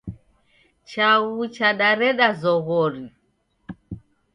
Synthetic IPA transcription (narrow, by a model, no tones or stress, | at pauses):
t͡ʃaɣut͡ʃaɗaɾɛɗazɔɣɔɾi